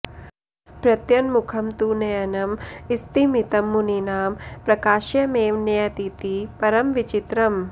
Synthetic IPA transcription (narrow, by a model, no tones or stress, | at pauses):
pɾɐt̪jɐnmukʰɐmt̪uːnɐjɐnɐmist̪imit̪ɐmːuninaːmpɾɐkaːʃjɐmeːwnɐjɐt̪it̪ipɐɾɐmʋit͡ʃit̪ɾɐm